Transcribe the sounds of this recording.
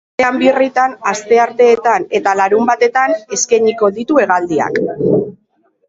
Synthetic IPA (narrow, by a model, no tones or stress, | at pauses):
eambirit̪anast̪e̞aɾt̪e̞ːt̪ane̞t̪alaɾumbat̪e̞t̪ane̞skeɲiko̞ðit̪ue̞ɣald̪ia̰k